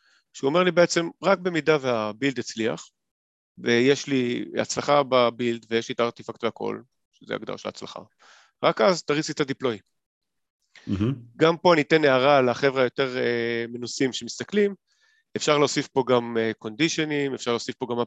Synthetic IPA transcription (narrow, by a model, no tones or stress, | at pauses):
ʃuome̞ʁlibeet͡se̞mʁak̚be̞midaveabild̪it͡slia̰χ | vejeʃlia̰t͡slaχababild̪vejeʃlit̪aaʁt̪ifakt̪beakʰo̞̰l | ʃezḛa̰ɡd̪a̰a̰ʃela̰t͡sla̰χa̰ | ʁakazt̪aʁit͡sit̪adiplo̞j | ɡampo̞anite̞neaʁalaχe̞vʁeajo̞te̞ʁemenusimʃe̞mist̪aklim | efʃaʁleosifpo̞ɡameko̞ndiʃenimefʃaʁleosifpo̞ɡama